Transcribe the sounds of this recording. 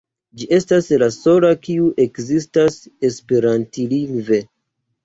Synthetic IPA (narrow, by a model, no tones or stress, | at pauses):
d͡ʒiʔe̞staslaso̞lakiuʔe̞kzistase̞spe̞ɾantiliŋɡve̞